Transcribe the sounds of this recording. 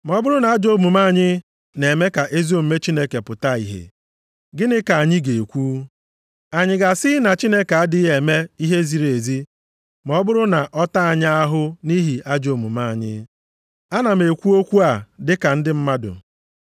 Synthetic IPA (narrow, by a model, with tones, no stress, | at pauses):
m˨ɔ˦bʊ˦ɾʊ˦na˨a˦d͡ʒo˦mu˨ma˦˨ɲɪ˦ | ne˨me˦ka˨ʔe˦zi˦o˦˨m̩˦me˦t͡ʃi˦ne˦ke˨pʊ˨ta˦ḭ˨ɦḛ˨ | ɡɪ˦nɪ˦ka˨a˨ɲɪ˦ɡe˨e˨kʷuː˦ | a˨ɲɪ˨ɡa˨sɪ˦na˨t͡ʃi˦ne˦ke˨a˦dɪ˦ɦe˨me˦i˦ɦe˦zi˨ɾe˨zi˦ | mɔ˦bʊ˦ɾʊ˦na˨ʔɔ˦ta˦a˨ɲ˦a˦ɦʊ˦ni˦ɦi˨ʔa˦d͡ʒo˨mu˨ma˦˨ɲɪ̰˦ | a˦na˨me˨kʷu˦o˦kʷu˦a˨dɪ˦ka˨n̩˦dɪ˦m̩˦ma˦dʊ̰˨